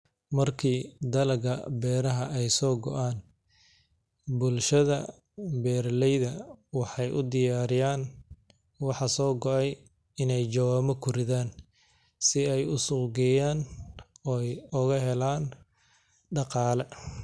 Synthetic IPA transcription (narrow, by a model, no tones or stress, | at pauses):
mɐrkʰiːd̪ɐlɐɣɐ̰bɛːɾɐɦɐɛjsɔːɡɔ̰ʔaːn | bʊlʃɐðɐ | bɛːrlɛjðɐwɑħɑjʔʊd̪ɪjaːɾɪjaːn | wɑħɑsɔːɡɔʔɛj | ɪnɛjt͡ʃɐwaːmɐkʰʊɾɪðaːn | sɪɛjʊsʊɡɛjaːnɔːjʊɣɐɦɛlaːn | ɖɑqɑːlɛ